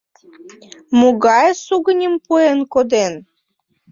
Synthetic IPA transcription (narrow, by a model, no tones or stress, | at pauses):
moɣɑjsuɣənʲəmpuenkod̪en